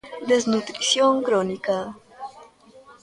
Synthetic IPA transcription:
d̪eznut̪ɾisjoŋkɾonika

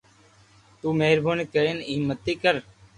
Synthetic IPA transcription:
t̪uːmeːɾbʱuːnɪkəɾeːnɪːmət̪ːiːkəɾ

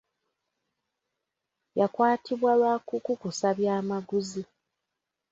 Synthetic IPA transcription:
jakwaːtʰiβwalwaːkukukusaβjaːmaɡuzi

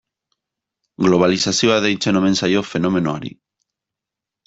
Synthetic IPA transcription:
ɡloβ̞aliθasjoaðejt͡ʃenomẽnsajofenomẽnoaɾḭ

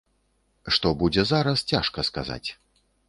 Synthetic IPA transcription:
ʂt̪ɔbud͡zʲɛzaɾɐst͡sʲaʂkɐska̰za̰t͡sʲ

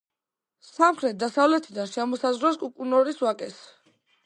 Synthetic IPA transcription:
samχɾɛt̪̚d̪asavlɛt̪ʰid̪anʃɛmɔsazʁɾɔskʼukʼunɔɾiswakʼɛs

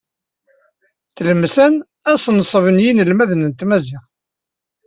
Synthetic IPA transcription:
θləmsæn | æsnsˤəvənjinəlmæðənənt̪mæziʁ

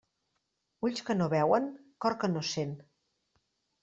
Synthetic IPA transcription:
uʎʲskənoβɛwəŋkɔɾkənosen

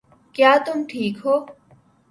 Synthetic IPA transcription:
kjaːt̪ʊmʈʰiːkɦoː

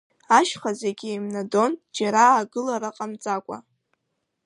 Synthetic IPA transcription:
aʃχazeɡʲiimnado̞nd͡ʒaɾaːɡɨlaɾaqʼamt͡sʼakʷʼa̰

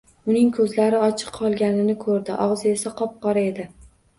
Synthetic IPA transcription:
ʊnɪŋkʰɵzlaɾɪɒt͡ʃʰɨ̥qʰːɒlˠɡʲanɪnɪkʰɵɾd̪ɪʔɒʁzɪe̞saqʰɒp̚qɒɾae̞d̪ɪ

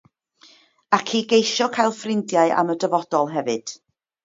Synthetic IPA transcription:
akʰiːɡejʃɔkʰajlˠfrɪndjaɨʔa̰mədəvɔd̥ɔlˠɦɛvɨd̥

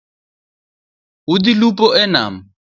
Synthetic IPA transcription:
udilupʼɔʔɛna̰ːm̩

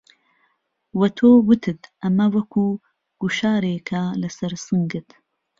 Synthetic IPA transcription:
wɐt̪ʰoːwɨt̪ʰɨt̪ʔɐmɐwɐkʰuː | ɡ̥uʃaːɾeːkʰɐlɐsɐɾsɨŋɡɨt̪

